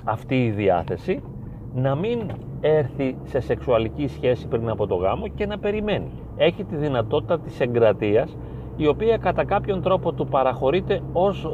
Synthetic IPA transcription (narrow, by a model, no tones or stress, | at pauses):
ɐft̪iːðiɐ̰θe̞si | nɐmin | e̞ɾθise̞se̞ksuɐlicisçe̞sipɾinɐpo̞t̪o̞ɣɐ̰mo̞ce̞nɐpe̞ɾime̞nḭ | e̞çit̪iðinɐt̪o̞t̪i̥t̪ɐt̪i̥se̞ŋɡɾɐt̪iɐs | io̞piɐkɐt̪ɐkɐpço̞nt̪ɾo̞po̞t̪upɐɾɐxo̞ɾit̪e̞o̞s